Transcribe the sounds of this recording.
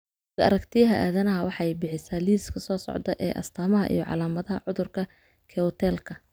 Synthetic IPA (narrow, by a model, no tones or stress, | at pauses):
ɡɐɐ̰ɾɐkt̪ʰɪjɐɦɐʔaːðɐnɐɦɐwɑħɑjbɪħɪsaːliːskʰɐsɔːsɔ̰ʕd̪ɐʔɛːʔɐ̰st̪ʰaːmɐɦɐ̰ʔḭjɔʕɑ̰laːmɐðɐɦɐ̰ʕʊðʊrkʰɐ | kʰɛt̪ʰɛːlkʰɐ